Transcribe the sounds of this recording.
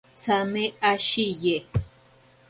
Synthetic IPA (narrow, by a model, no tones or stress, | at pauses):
t͡sʰameaʃije